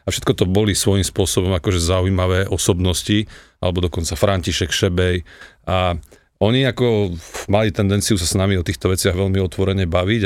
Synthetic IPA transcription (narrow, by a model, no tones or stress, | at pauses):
afʃɛt̪kɔt̪ɔbɔlisʋɔjimspʊɔsɔbɔmakɔʒɛzaujimaʋɛːʔɔsɔbnɔsci | a̰lɛbɔd̪ɔkɔnt͡safɾaɲciʃɛkʃɛbɛja | ɔɲiakɔmalit̪ɛnd̪ɛnt͡siusasnamiɔt̪iːxt̪ɔʋɛt͡sɪaɣʋɛʎmiɔt̪ʋɔɾɛɲɛbaʋiɟ